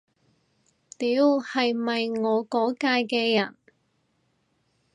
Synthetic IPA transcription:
t̪iː˨˥whɐ˨jmɐ˨jŋɔː˨˧kɔː˨˥kaː˧jkɛː˧jɐ˨˩n

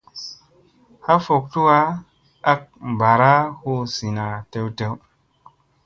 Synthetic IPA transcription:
ha˦fo˨k̚tu˦wa˦ | a˦k̚ba˨ɾa˦ho˦˨si˨na˨te˦wte˦w

